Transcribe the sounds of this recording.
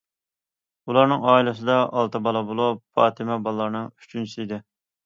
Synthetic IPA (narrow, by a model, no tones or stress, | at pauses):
ulˠɑɾnɨŋɑːilˠɨs̬ɨd̪ɑʔɑlˠt̪ɨbɑlˠɑbolˠupfɑ̰ːt̪ʰɪmɛbɑlˠːɑɾnɨŋyt͡ʃʰynsiid̪ɪ